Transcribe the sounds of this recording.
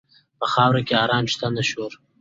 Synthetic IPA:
pəxɑːwɾakeɑːɾɑːnʃt̪anaʃoɾ

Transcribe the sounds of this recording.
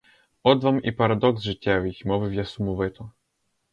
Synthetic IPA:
ɔd̪vamipaɾad̪ɔɡzʐɨt͡ɕʲːɛvixmɔvɘvʲjasumuvɘt̪ɔ

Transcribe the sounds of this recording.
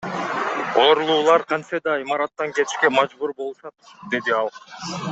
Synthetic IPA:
o̞ːɾlˠuːlˠɑɾqʰɑnsed̪ɑimɑɾɑt̪ːɑŋkʲe̞t̪i̥ʃke̞mɑd͡ʒbuɾbo̞lˠuʃɑt̪ | d̪e̞d̪iɑlˠ

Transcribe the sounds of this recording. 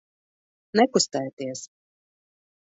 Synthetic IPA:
nɛkust̪ɛjt̪iɛs

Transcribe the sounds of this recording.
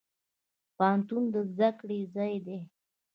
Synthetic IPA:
pɑnt̪und̪əzd̪akɽezɑjd̪e

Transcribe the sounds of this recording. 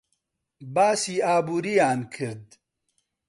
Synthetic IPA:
baːsiːaːbuːɾijaːnkʰɨɾd̪

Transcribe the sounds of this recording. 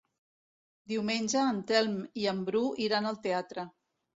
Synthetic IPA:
d̪iwmenʲʒəːnt̪ɛlˠmiəmbɾuʔiɾanəlˠt̪eat̪ɾə

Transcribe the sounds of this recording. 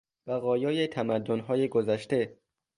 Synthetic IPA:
b̥æɣɒːjɒːjet̪ʰæmæd̪ːonɦɒːjeɡozæʃt̪e̞

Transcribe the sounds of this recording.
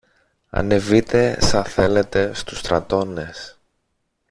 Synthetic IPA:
ɐ̰ne̞vit̪e̞sɐθe̞le̞t̪e̞st̪u̥st̪ɾɐt̪o̞ne̞s

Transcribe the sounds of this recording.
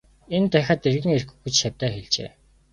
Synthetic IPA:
ent̪æxʲăːt̪erɣɘ̆ŋerxɘ̆xut͡ɕʃawʲt̪æːxeɮt͡ɕḛː

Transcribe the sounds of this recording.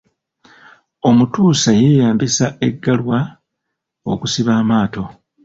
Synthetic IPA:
o̞mutuːsaje̞ːjaːmbisae̞ɡːalwa | o̞̰kusiβaːmaːto̞

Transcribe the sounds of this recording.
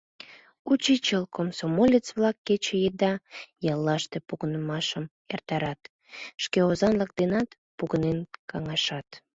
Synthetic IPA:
ut͡ɕit͡ɕəlkomsomolʲət͡sβlɑkːet͡ɕejəd̪ɑjɑlˠːɑʃt̪epuɣənəmɑʃəm | ert̪ɑɾɑt̪ | ʃkeozɑnlək̚d̪enɑt̪ | puɣənenkɑŋɑʃɑt̪

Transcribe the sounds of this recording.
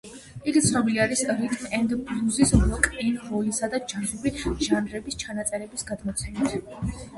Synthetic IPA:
iɡit̪sʰnɔbiliaɾisɾit̪ʼmɛnd̪blˠuzisblˠɔkʼɛnɾɔlisad̪ad͡ʒanʃubiʒ̥anɾɛbist͡ʃʰanat̪sʼɛɾɛbisɡad̪mɔt̪sʰɛmit̪ʰ

